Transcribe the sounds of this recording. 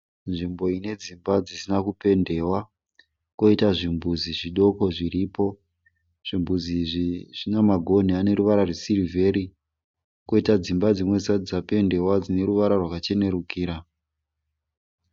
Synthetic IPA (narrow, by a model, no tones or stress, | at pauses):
nʐimbo̞ine̞d͡zimbad͡zisinakupe̞nde̞ːwa | ko̞itaʐimbuziʐiɗo̞ko̞ʐiɾipo̞ | ʐ̥imbuziʐiʐ̥inamaɡʱo̞n̤iane̞ɾuʋaɾarwesiɾive̞ɾi | ko̞itad͡zimbad͡zimwe̞isaid͡zape̞nde̞wad͡zine̞ɾuʋaɾarwakat͡ʃe̞ne̞ɾukʰiːɾa